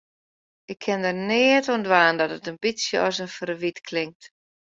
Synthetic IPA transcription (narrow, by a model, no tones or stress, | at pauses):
ʔɪkʰːɪndərnɪətondʋaːndɔtətənbisjəɔ̰sənfərʋitkʰlɪŋk̚t